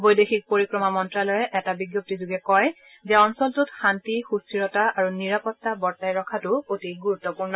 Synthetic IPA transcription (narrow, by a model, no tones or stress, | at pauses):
bojdexik̚poɹikɹɔmamɔntɹalɔjɛʔɛtabiɡjop̚tizuɡɛkɔj | zɛɔnsɔltʊtxantixustiɹɔtaaɹuniɹapɔtːabɔɹtajɹɔkʰatʊotiɡuɹutːɔpuɹnɔ